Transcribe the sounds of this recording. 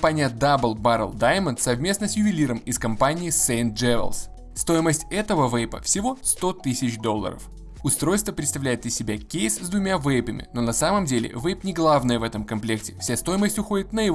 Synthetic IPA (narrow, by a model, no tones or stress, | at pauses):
panʲɪjəd̪abəlˠbaɾə̰lˠd̪ajmənt̪sɐvmʲe̞snəsʲjʊvʲɪlʲiɾəmɪskɐmpanʲɪːsejnt̪̚d͡ʐɛvʲə̰lˠs | st̪o̞jɪməsʲtʲɛt̪əvəvɛjpə̰fsʲɪvo̞st̪o̞t̪ɨsʲɪt͡ɕd̪o̞lˠːə̰ɾə̰f | ʊst̪ɾo̞jst̪vəpɾʲɪt̪st̪ɐvlʲæjɪt̪lʲəsʲɪbʲakʲejszd̪vʊmʲavɛjbəmʲɪ̰no̞nɐsaməmdʲelʲɪ̰vɛjpnʲɪɡlˠavnəjəvɛt̪əmkɐmplʲek̚tʲɪ̥fsʲast̪o̞jɪməsʲtʲʊxo̞dʲɪt̪nəjɪ